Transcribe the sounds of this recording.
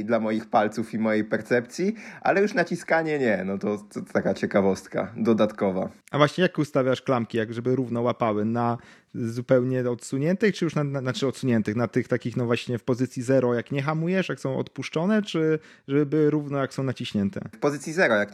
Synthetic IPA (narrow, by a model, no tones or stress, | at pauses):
d̪lamɔjixpalt̪sufimɔjejpɛɾt̪sɛp̚t̪sʲjiʔa̰lɛjuʂnat͡ɕiskaɲɛɲɛnɔt̪ɔt̪ɔt̪akat͡ɕɛkavɔst̪ka̰d̪ɔd̪at̪kɔva̰ | avwaɕɲɛjakust̪avʲjaʂklamkʲijaɡʐɛbɘɾuvnɔwapawɘna | zupɛwɲɛɔt̪suɲɛnt̪ɘxt͡ʂɘjuʂnananat͡ʂɘɔt̪suɲɛnt̪ɘxnat̪ɘxt̪akʲixnɔvwaɕɲɛfpɔzɘt̪sʲjizɛɾɔjakɲɛxamujɛʂjaksɔ̃w̃ɔ̰t̪puʂt͡ʂɔnɛt͡ʂɘ | ʐɛbɘbɘwɘɾuvnɔjaksɔ̃w̃nat͡ɕiɕɲɛnt̪ɛ̰fpɔzɘt̪sʲjizɛɾɔjak